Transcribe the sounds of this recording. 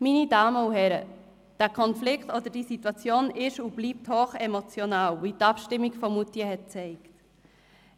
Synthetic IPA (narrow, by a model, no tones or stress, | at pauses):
minidɑːməuɦɛɾə | d̥æːkʰɔnflɪktodədisitwɑt͡sjoːnɪʃub̥liːp̚thoːχɛmot͡sjonaːlvitɑpʃtɪmːiɡfɔmutiəhɛt̚t͡sɛɪkt